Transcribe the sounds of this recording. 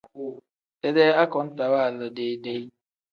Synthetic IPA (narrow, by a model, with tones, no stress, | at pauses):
tɛ˦dɛ˦a˦kɔ˨˦n̩˦ta˨wa˦˨lə˨de˦de˦j